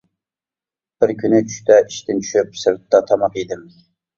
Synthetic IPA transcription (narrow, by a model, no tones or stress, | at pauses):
b̥ɪɾkʲʰynɪt͡ʃʰy̥ʃt̪ɛʔiʃt̪ɪnt͡ʃʰy̥ʃyp̚sɨɾt̪ːɑt̪ʰɑmɑqid̪ɪm